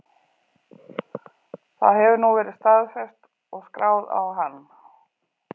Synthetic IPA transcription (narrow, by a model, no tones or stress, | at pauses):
θa̰ðɦɛvʏnuvɛːɾɪðst̪aðfɛst̪ | ɔɣskɾaːwða̰wɦanː